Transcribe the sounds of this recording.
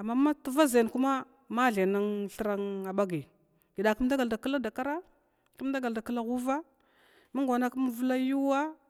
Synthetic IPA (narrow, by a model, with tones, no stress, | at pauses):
a˨mːa˦ma˦tə˦va˦za˨n˨ku˦ma˦ | ma˦ɮe˨na˦ŋɬə˦ɾa˦ŋa˨ba˦ɡi˨ | ɡ̥i˨da˨kə˦m˦da˦ɡa˨lda˨kə˦la˦da˨ka˦ɾa˦˨ | kə˦m˦da˦ɡa˨lda˨kə˦la˦ɣu˦va˦ | ma˦ŋɡʷa˨na˦kə˦m˦və˦la˦ju˦wa˦